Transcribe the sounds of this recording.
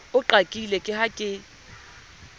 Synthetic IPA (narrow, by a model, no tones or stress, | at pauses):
ʊǃakʼilɛkʼɪhakʼɪ